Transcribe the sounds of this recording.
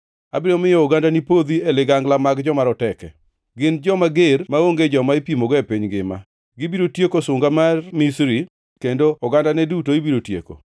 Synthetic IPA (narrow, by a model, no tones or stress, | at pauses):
a̰bɪɾomɪjɔʊɡandanipod̪ielɪɡaŋɡlamaɡd͡ʒɔmaɾɔtɛkɛ | ɡɪnd͡ʒɔmaɡeɾmaoŋɡed͡ʒɔmaipimoɡɔepiɲɡɪma̰ | ɡɪbiɾotjekosʊŋɡamarmisɾi | kendoɔɡandanɛdutoibiɾotjḛko̰